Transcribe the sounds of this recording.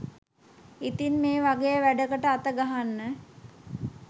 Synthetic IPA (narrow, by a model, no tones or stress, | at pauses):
it̪inmeːʋaɡejəʋæɖəkəʈəat̪əɡaɦanːə